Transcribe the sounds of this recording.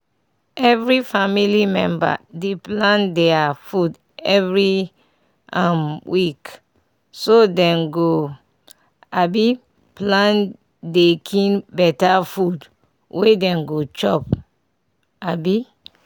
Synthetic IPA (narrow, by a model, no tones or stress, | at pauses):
ɛvɹifamilimɛ̃mba̰deplãndɛafud | ɛvɹi | amwik | sodɛ̃nɡo | abi | plãn | dekʰĩnbɛtafud | wedɛ̃nɡot͡ʃɔp | abi